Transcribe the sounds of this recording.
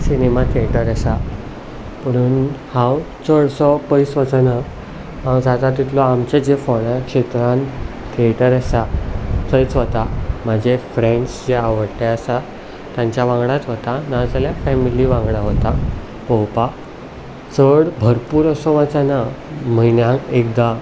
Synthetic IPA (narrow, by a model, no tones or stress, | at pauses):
sinemat̪ʰieʈəɾəsa | pəɽ̃uːnhãw | t͡səɽsɔpəjsʋət͡səna | ɦãwd͡zad̪at̪it̪lɔamt͡ɕad͡zefoɽakʂet̪ɾãn | t̪ʰieʈəɾəsat͡səjt͡sɦot̪am̤əd͡ʑʱefɾẽɳt͡ɕd͡zeaʋəɽʈ̪eəsa | t̪jãɲt͡ɕjaʋãŋɡɽat̪ɦot̪anad͡zaljafɛmiliʋãŋɡɽaɦot̪a | powpa | t͡səɽbʱəɾpuːɾəsɔʋət͡sana | m̤əinjãŋkek̚d̪a